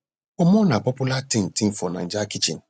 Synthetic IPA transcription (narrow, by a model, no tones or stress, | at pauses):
ɔmɔ̃nãpɔpulatĩntĩn̩fɔnã̰n̩d͡ʒakit͡ʃḭ̃n